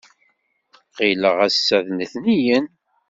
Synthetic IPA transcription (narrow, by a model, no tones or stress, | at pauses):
qiləʁæsːæðnəθnijən